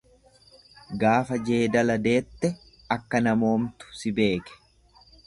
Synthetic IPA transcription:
ɡaːfɐd͡ʒe̞ːd̪ɐlɐd̪e̞ːt̪ːɛ | ɐkːɐnɐmo̞ːmt̪ʊ̥sɪbe̞ːkɛ̥

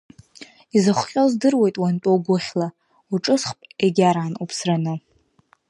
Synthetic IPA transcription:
izaχʷqʲʼozdɨrwe̞jtʼwantʷʼoɡʷʊχʲla | uʈ͡ʂʼɨsχpʼeɡʲaɾaːnupʰsranɨ

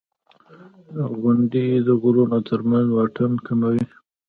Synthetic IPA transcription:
d̪aɣʊɳɖid̪əɣʊɾonat̪ʰəɾmanzwɑʈankamawi

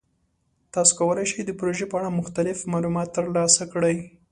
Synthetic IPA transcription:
t̪ɑso̥kawəlajʃəjd̪əpɾoʒepəaɽamʊxt̪alɪfmɑlumɑt̪ːəɾlɑsakɽəj

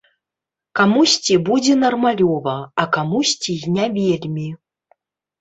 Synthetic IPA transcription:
kamusʲt͡sʲibud͡zʲɛnɐrmalʲɔvɐakamusʲt͡sʲijnʲavʲelʲmʲi

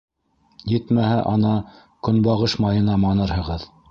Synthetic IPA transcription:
jɘt̪mæhæʔɑnɑ | kɵ̆nbɑʁɤʃmɑjɤ̆nɑmɑnɤɾhɤ̆ʁɤð

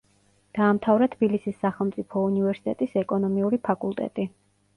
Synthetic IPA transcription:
d̪̥aːmt̪ʰavɾɛt̪ʰb̥ilisisːaχɛlˠmt̪sʼipʰɔunivɛɾsi̥t̪ʼɛt̪ʼisɛkʼɔnɔmiuɾipʰakʼulˠt̪ʼɛ̰t̪ʼi

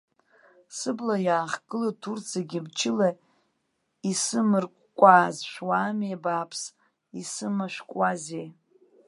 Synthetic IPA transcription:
sɨblajaːχɡʼɨlɨtʰurt͡sʰaɡʲibt͡ʃʰɪla | isɨmɨrkʷʼkʷʼaːzʃʷᶣwaːmebaːpʰs | isɨmaʃʷᶣkʷʼwazej

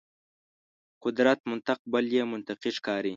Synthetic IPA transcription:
qʊd̪ɾat̪mʊnt̪aq̚baljemʊnt̪aqiʃkɑːɾi

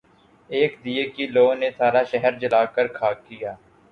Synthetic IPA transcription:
eːkd̪ijekiloːnesaːɾaʃɛɦəɾd͡ʒəlaːkəɾkʰaːkːɪjaː

